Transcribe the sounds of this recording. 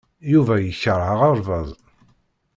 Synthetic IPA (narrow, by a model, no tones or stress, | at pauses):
juvæjəçəɾˤʕəʁəɾˤvɑðˤ